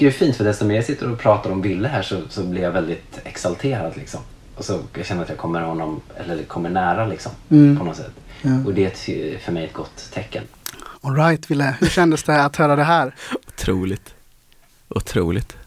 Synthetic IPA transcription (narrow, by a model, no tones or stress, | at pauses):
ɛfiːnt̪fœd̪ɛst̪ɔmeːɾsɪt̪ːəɾɔpʰɾɑːt̪ad̪ɔmvɪlːəɦæːʂɔsɔblɪɾjavɛld̪ɪt̪ɛksalt̪ʰeːɾad̪lɪksɔ̰m | ɔsɔjaɡɕɛnəat̪jaːkʰɔmːəɾhɔnːɔmɛ̰lːəɾkʰɔmːəɳæːɾalɪksɔmpʰɔnɔt̪sɛ̰t̪ːɔd̪ɛtfœɾmɛjɛt̪̚ɡɔt̪ʰːɛkːə̰nɔlɾajt̪vɪlːəhɵɕɛnd̪əsd̪ɛat̪hœːɾad̪ɛɦæːɾʊt̪ʰɾuːlɪt̪ | ʔʊt̪ʰɾuːlɪt̪